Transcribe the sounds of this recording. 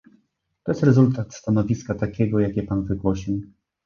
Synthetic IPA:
t̪ɔjɛst̪ɾɛzult̪at̪st̪anɔvʲiskat̪akʲɛɡɔjakʲɛpanvɘɡwɔɕiw

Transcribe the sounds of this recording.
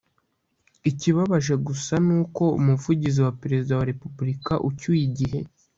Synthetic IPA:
iciβaβaʒe̞ɡusanuːko̞umuvuɟiziwapeɾe̞zidawaɾe̞pubɾikaʔucujiɟiɦe̞

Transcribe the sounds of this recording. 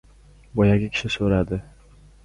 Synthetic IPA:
bɒjaɡʲakʲʰɪ̥ʃɪsoɾad̪ɪ

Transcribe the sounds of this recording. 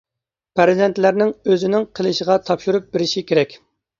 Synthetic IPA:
pʰæɾzɛnt̪læɾnɪŋøzɪnɪŋqʰəlˠɨʃəʁɑt̪ʰɑpʃuɾup̚bɪɾɪʃikʲʰeɾɛkʲ

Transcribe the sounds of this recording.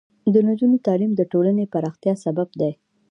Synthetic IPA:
d̪ənad͡ʒunit̪ɑlimd̪əʈolanepaɾɑxt̪jɑsababd̪aj

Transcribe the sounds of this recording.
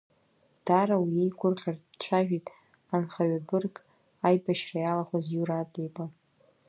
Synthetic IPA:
d̥arawiejɡʷʊrχʲardt͡ʃʷʰaʒᶣitʼ | anχaɥabɨrkʼ | ajbaʃrajalaχʷazjuɾatʼejbʼa

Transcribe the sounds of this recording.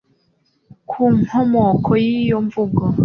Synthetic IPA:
kʰuːŋ̥homokʰojiːjoɱvuɡo

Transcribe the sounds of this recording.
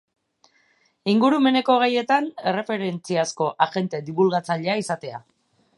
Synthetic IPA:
iŋɡuɾume̞ne̞ko̞ɣ̞aje̞t̪ane̞re̞fe̞ɾe̞nt͡siasko̞ʔaɣe̞nt̪e̞d̪iβulɣat͡saʎe̞aisat̪e̞a̰

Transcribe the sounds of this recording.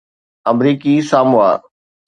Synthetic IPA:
ɐmɾiːkisaːmʊa̰ː

